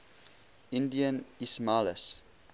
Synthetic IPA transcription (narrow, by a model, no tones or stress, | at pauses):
indiənismaləs